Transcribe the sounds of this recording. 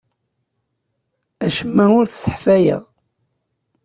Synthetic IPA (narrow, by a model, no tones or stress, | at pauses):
æʃəmːæʊɾθsə̥ħfæjə̰ʁ